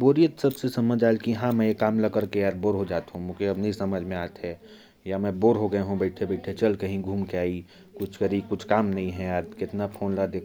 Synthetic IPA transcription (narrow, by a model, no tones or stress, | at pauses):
boːɾijət̪sɐbsesɐməd͡ʒaːelkiɦãmɛ̃jekaːmləkəɾkeaːɾboːɾɦod͡ʒaːt̪ɦũmũkeɐbniisɐməd͡ʒʱmẽaːt̪ɦɛ̃ | jamɛ̃boːɾɦoɡɐeɦũbəɪʈʰebəɪʈʰet͡ʃɐlkɐɦĩɡʱuːmkeaːi | kʊt͡ʃʰkɐɾikʊt͡ʃʰkaːmnɐɦĩɦɛ̃aːɾkɪt̪napʰoːnlad̪eː